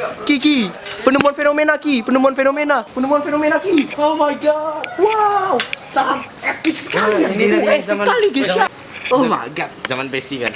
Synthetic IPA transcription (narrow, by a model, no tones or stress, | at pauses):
kikipənumuanfenomenakipənumuanfenomenapənumuanfenomenakiomajɡɔd̚wawsaɾamɛpikskaɾn | t̪aliɡeska | oma̰ɡat̪̚zamanbesika̰n